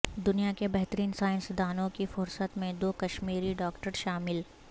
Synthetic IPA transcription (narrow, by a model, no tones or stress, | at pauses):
d̪ʊnijakebɛɦt̪əɾiːnsaːɪ̃nsd̪aːnõkifʊɾsət̪mẽd̪oːkɐʃmiːɾiɖɔːkʈəɾʃaːmɪl